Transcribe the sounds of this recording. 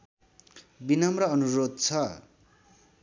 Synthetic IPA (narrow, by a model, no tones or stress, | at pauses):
binʌmrʌʌnuɾod̪̚t͡sʰʌ